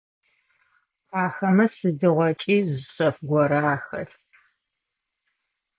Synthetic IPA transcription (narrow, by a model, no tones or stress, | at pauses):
pʰaːxɐmɐsɨdɨʁʷɔt͡ʃʼiːzɨɕɐfɡʷɔɾaːxɐ̰ɬ